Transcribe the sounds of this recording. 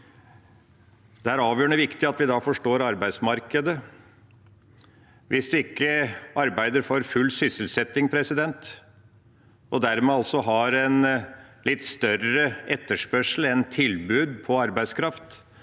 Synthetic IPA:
d̪̥ɛæɾɑːʋjøːɳəʋɪkt̪ɪɑt̪ʋɪd̪ɑːfɔʂʈoːɾɑɾbæɪd̪smɑɾkəd̪ə | ʋɪsd̪ɪɪkːəɑɾbæɪd̪əɾfoːɾfʉlːsʏsəlsɛt̪ːɪŋpʰɾɛsɪd̪ɛnt̪ | ʔɔd̪æɾmɛːɑlsɔɦɑɾɛnlɪt̪ːst̪œrəʔɛt̪ːəʂpœʂl̩ɛnt̪ʰɪlbʉːd̪pʰɔɑɾbæɪskʰɾɑft̪

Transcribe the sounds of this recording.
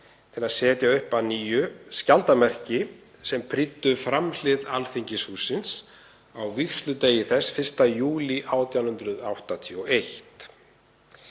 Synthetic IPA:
t̪ʰɪlaðsɛːt̪jaʏhpaðniːjʏscalt̪amɛr̥cɪ | sɛmpʰɾɪt̪ːʏfɾaml̥ɪðalθiɲcɪshuːsɪns | awvixst̪lʏt̪eːjɪθɛsːfɪr̥st̪ajuːliʔaːwt̪jawnhʏnt̪ɾʏðawht̪at̪ʰiɔʔejht̪

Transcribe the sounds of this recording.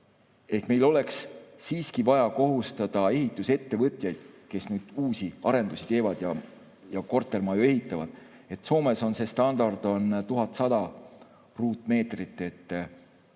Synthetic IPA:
e̞hkme̞jlo̞le̞kssiːskivɑjɑko̞ɦust̪ɑd̪̥ɑe̞ɦit̪ːˑuse̞t̪ːe̞vɤt̪ʲˑjɑjd̪̥ke̞snyːd̪̥uːsiɑɾe̞nd̪usi̥t̪e̞ːvɑd̪̥jɑ | jɑko̞rt̪ːˑe̞rmɑjue̞ɦit̪ːˑɑvɑd̪̥ | e̞t̪ːˑso̞ːme̞so̞nse̞st̪ɑnd̪̥ɑrd̪̥o̞nt̪uɦɑt̪ːˑsɑd̪̥ɑ | ruːt̪ːˑme̞ːt̪rit̪ːˑe̞t̪ː

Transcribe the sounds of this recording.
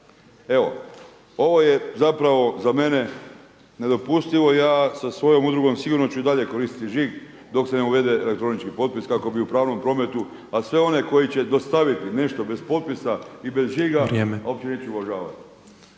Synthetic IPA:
e̞ʋo̞̰ | o̞ʋo̞jezapɾaʋo̞zame̞ne̞ | ne̞d̪o̞pust̪iʋo̞ijaːsasʋo̞jo̞mud̪ɾuɡo̞msiɡuːɾno̞t͡ɕuid̪aʎe̞ko̞ɾist̪i̥t̪iʒiːɡ | d̪o̞kse̞neuʋe̞d̪e̞elekt̪ɾo̞nit͡ʃkipo̞t̪̚piskako̞biupɾaːʋno̞mpɾo̞me̞t̪u | asʋe̞o̞ne̞ko̞jit͡ɕe̞d̪o̞st̪aʋit̪ine̞ʃt̪o̞be̞spo̞t̪̚pisaibe̞zʒiːɡaɾjeːmeao̞pt͡ɕe̞neːt͡ʃuʋaʒaːʋa̰t̪i̥

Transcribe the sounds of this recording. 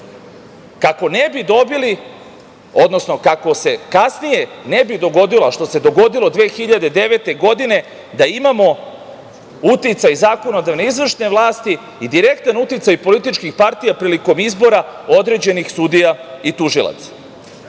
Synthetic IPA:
kako̞nebid̪o̞bili | o̞d̪nosno̞kako̞se̞kasnije̞nebid̪o̞ɡo̞d̪ilaʃt̪o̞se̞d̪o̞ɡo̞d̪ilo̞d̪ʋe̞ːxiʎad̪ed̪e̞ʋe̞t̪e̞ɡo̞d̪ine̞ | d̪aimamo̞ | ut̪it̪sajzaːko̞no̞d̪aʋneizʋr̩ʃne̞ʋlˠaːst̪iː | d̪iɾe̞kt̪anut̪it̪sajpo̞lit̪it͡ʃkixpaɾt̪ijapɾiːliko̞mizbo̞ɾao̞d̪ɾe̞d͡ʑe̞nixsud̪ijait̪uʒilˠa̰t̪sḁ

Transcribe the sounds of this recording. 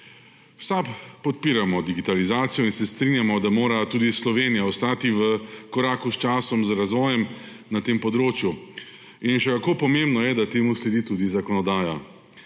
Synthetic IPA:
sapːɔt̪̚piːɾamɔd̪iɡit̪alizaːt̪sijɔinsɛst̪ɾinjamɔd̪amoːɾat̪uːd̪islɔʋeːnijaɔst̪aːt̪iʋəkɔɾaːkust͡ʃaːsɔmzɾazʋɔːjɛm | nat̪eːmpɔd̪ɾoːt͡ʃju | inʃɛkakoːpɔmembnɔjɛd̪at̪eːmuslɛd̪iːt̪uːd̪izakɔnɔd̪aːja

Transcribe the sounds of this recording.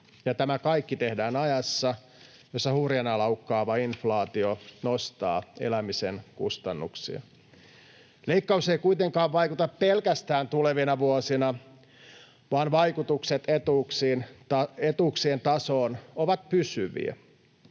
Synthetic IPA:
jɑt̪æmækɑijkːit̪ehdæːnɑjɑsːɑ | josːɑhuːrjɑnɑlɑukːɑːʋɑinflɑːt̪ionost̪ɑ̰ːḛlæmisenkṵst̪ɑnːṵksḭɑ̰ | leikːɑuseikuit̪eŋkɑːʋʋɑikut̪ɑppelkæst̪æːnt̪uleʋinɑʋuosinɑ | ʋɑːnʋɑikut̪ukset̪et̪uksiːnɑet̪uːksient̪ɑsoːnoʋɑt̪̚pysyʋḭæ̰

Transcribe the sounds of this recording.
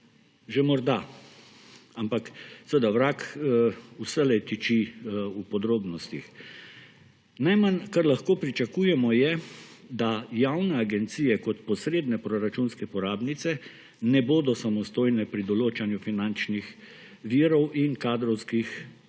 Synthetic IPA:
ʒemɔɾd̪a | ampaksəʋəd̪awɾakː | usɛlɛjt̪it͡ʃiupɔd̪ɾoːbnɔst̪ix | najmankaɾlaxkoːpɾit͡ʃakuːjɛmɔjɛd̪ajawnɛaɡɛnt̪siːjɛkɔt̪pɔsɾeːd̪nɛpɾɔɾat͡ʃunskɛpɔɾaːbnit̪sɛ | nɛboːd̪ɔsamɔst̪oːjnɛpɾid̪ɔloːt͡ʃanjufinant͡ʃnix | ʋiɾɔwʔinkaːd̪ɾɔwskix

